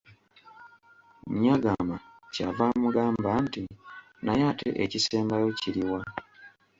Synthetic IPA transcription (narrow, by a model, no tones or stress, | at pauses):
mɲaɡamacavaːmuɡaːmbanti | najaːtʰe̞̰ʔecise̞ːmbajo̞ciɾiwa